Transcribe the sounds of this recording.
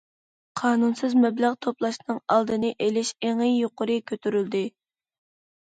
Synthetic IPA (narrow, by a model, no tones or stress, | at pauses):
qʰɑːnunsɨzmɛbləʁt̪ʰoplˠɑʃnɨŋɑlˠd̪ɨnɨʔelɪʃeŋijjoqʊɾɨkʲʰøt̪ʰyɾyld̪ɪ